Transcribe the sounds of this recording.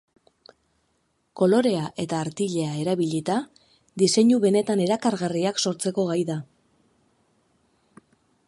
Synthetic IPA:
ko̞lo̞ɾe̞aʔe̞t̪aːɾt̪iʎe̞ae̞ɾaβiʎit̪a | d̪ise̞ɲuβe̞ne̞t̪ane̞ɾakaɾɣariakso̞ɾt͡se̞ko̞ɣajða

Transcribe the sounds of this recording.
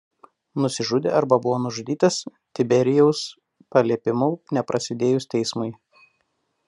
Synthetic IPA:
nʊsʲɪʒʊd̪ʲḛːʔɐɾbɐbʊʋoːnʊʒʊd̪ʲiːt̪ɐs | t̪ʲɪbʲɛɾʲɪjɛʊs | pɐlʲiɛpʲɪmʊnʲɛpɾʔɐsʲɪd̪ʲeːjʊst̪ʲɛɪsmʊɪ

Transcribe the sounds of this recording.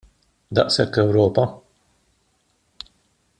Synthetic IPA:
d̪ɐ̰ʔsɛkːɛwɾɔːpɐ

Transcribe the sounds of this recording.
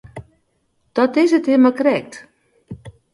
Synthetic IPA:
d̥ɔtɪsəthɪmakrɛk̚t

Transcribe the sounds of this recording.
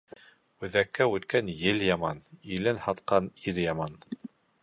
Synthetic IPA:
ʉðækːæʉt̪kænjɘljɑmɑnilɘnhɑt̪qɑniɾjɑmɑn

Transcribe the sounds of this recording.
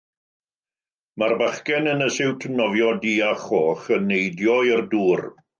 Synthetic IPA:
marbaχkɛnənəsɪwtʰənɔvjɔdiːaχoːχənːejdjɔɪrduːr

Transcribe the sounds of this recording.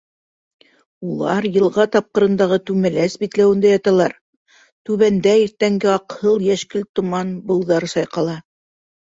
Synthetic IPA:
ulˠɑɾjɤ̆lˠʁɑt̪ɑp̚qɤ̆ɾɤ̆nd̪ɑʁɤt̪ʉmæ̆læsbit̪læwɘ̆nd̪æjɑt̪ɑlˠɑɾ | t̪ʉβænd̪æiɾt̪æŋɡɘɑqhɤlˠjæʃkɘlt̪ŏmɑnbɤ̆w̪ˠðɑɾɤsɑjqɑlˠɑ

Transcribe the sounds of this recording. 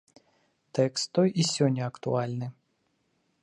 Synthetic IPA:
t̪ɛkst̪ːɔjʔisʲɔnʲːɐɐkt̪ṵalʲnɨ

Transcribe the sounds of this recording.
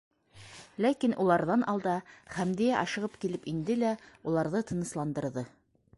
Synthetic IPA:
lækinʔulˠɑɾðɑnʔɑlˠd̪ɑχæmd̪ijæʔɑʃɤ̆ʁɤpkilɘpind̪ɘlæulˠɑɾðɤt̪ʰɤ̆nɤ̆slˠɑnd̪ɤ̆ɾðɤ

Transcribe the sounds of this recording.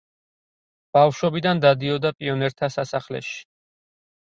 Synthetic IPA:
b̥afʃɔbid̪and̪ad̪iɔd̪apʼiɔnɛɾt̪ʰasasaχlɛ̰ʃi̥

